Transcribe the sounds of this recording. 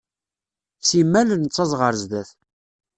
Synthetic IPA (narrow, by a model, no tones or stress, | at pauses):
simːælənt͡sˤːɑzˤʁəɾzd̪æθ